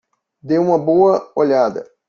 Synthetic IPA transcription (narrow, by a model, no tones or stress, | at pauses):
d̪ewũmɐboɐoʎad̪ɐ̰